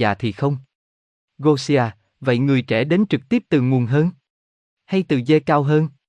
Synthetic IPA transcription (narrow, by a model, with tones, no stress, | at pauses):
aː˨˩t̪ʰi˨˩xə˧wŋ͡m | ɣo˧si˧aː˧ | və̰˧˨jŋɨ˨˩əjt͡ɕɛ˧˩ɗe˨˦nt͡ɕɨ˨˩k̚t̪i˦˥əp̚t̪ɨ˨˩ŋu˨˩ənɦəː˧n | ha˧jt̪ɨ˨˩ze˧kaː˧wɦəː˧n